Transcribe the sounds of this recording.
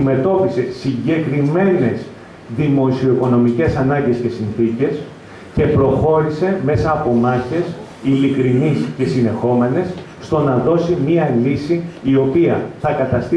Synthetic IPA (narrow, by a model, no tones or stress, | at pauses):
me̞t̪o̞pise̞siɲɟe̞kɾime̞ne̞s | ðimo̞sio̞iko̞no̞mice̞sɐnɐɲɟe̞sce̞sinθice̞s | ce̞pɾo̞xo̞ɾise̞me̞sɐːpo̞mɐçe̞s | ilikɾinisce̞sine̞xo̞me̞ne̞sː | t̪o̞nɐðo̞simiɐlisiːo̞piɐθɐkɐt̪ɐst̪i